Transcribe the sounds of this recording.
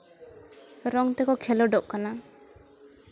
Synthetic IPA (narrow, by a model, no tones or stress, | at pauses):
ɾɔŋt̪ɛkɔkʰɛlɔɖɔʔkana